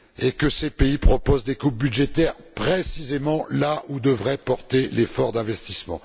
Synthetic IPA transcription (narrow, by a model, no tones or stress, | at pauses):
ekəsepeipχɔpozd̪ekup̚byd̪ʒet̪ɛʁpχesizemɑ̃laʔud̪əvʁɛpɔʁt̪elefɔʁd̪ɛ̃vɛst̪ismɑ̰̃